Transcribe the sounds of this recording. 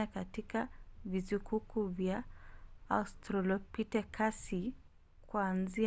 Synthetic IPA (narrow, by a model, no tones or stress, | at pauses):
akatikavizukukuvja | astɾɔlɔpitɛkʰasi | kuanzi